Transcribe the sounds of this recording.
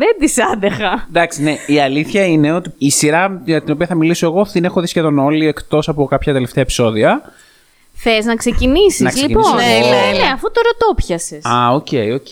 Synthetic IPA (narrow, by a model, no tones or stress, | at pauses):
ðend̪isɐnd̪exɐd̪ɐksine̞iɐliθçɐine̞o̞t̪iːsiɾɐɐt̪ino̞piɐθɐmiliso̞e̞ɣo̞t̪ine̞xo̞ðisce̞ðo̞no̞lie̞kt̪o̞sɐpo̞kɐpçɐt̪e̞le̞ft̪eepi̥so̞ðiɐ | θeznɐkse̞cinisiɐzliponeneɐfut̪oɾot̪opçɐsesɐo̞ceioc